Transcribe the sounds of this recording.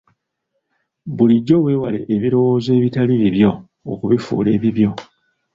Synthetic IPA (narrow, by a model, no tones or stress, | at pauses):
βuliɟːo̞we̞ːwale̞̰ʔːβiɾo̞wo̞ːze̞ːβitaliβiβjo̞ː | kuβifṵːle̞ːβiβjo̞